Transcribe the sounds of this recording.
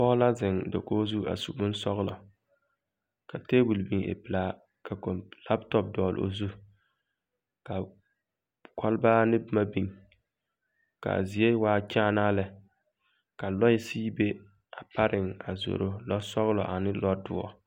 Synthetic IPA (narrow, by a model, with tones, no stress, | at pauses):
pɔ˦la˦zɪ˨ŋdɪ̰˨koː˦zu˦a̰˨su˨bʊ˦n˦sɔ˦ɣlɔ̰˨ | ka˨teː˦bu˨lbi˨ŋʔḛ˨pɪ˨laː˦ | kʰa˨ko˨la˦ptɔ˦p̚dɔː˨l̰o̰˨zu˦ | ka˨ | kʰɔ˦lbaː˦nɪ˦bma˦bi˦˨ŋ | ka̰˨zi˨e˦waː˦t͡ʃaː˦naː˦lɪ˨ | ka˨lɔ˦ɪ˦siː˦be˦ | a˨pa˦ɾɪ˨ŋa̰˨zo̰˨ɾo˦lɔ˦sɔ˦ɣlɔ̰˨ʔa˨nɪ˦lɔ˦dʊ̰˦ɔ̰˦